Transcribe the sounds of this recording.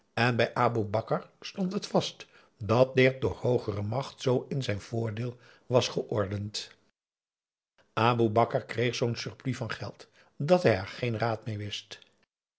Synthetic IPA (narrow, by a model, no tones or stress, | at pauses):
ɛnbɛjʔaːbubɑkəɹstɔntɦətfɑst | dɑt̚dɪt̚dʊːɹhowχərəmɑχtsowɪnzɛjnv̥ʊːɹdɪːlˠ | ʋɑsχəʔɔɹdənt | ʔaːbubɑkəɹkrejχsownsɵɹplivɑnχɛlˠt | dɑtɦɛjɛɹχejnraːtmeːɹʋɪst